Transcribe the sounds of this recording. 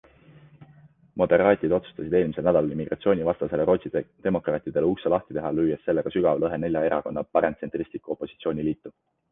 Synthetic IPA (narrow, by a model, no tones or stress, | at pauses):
mo̞d̪e̞ɾɑːt̪ʲˑid̪o̞t̪su̥st̪ɑs̬ʲid̪eːlmiselnæd̪ɑlɑlimiɡ̥rɑ̰t̪sio̞ːnʲivɑst̪ɑse̞le̞ɾo̞t̪sit̪e̞mo̞krɑːt̪ːˑid̪̥e̞luselɑht̪id̪eɦɑlyːjest̪ːe̞lːe̞ɡ̥ɑsyɡ̥ɑvlɤɦe̞ne̞lʲjɑe̞ɾɑ̰ko̞nːɑpɑɾent̪se̞nt̪ˑrist̪likːˑuo̞pːˑo̞sit̪sio̞ːnʲiliːt̪ːˑu̥